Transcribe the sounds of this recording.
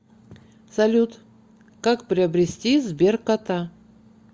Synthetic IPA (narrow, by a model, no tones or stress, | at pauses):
sɐlʲut̪ | kakpɾʲɪɐbɾʲɪsʲtʲizbʲerkat̪a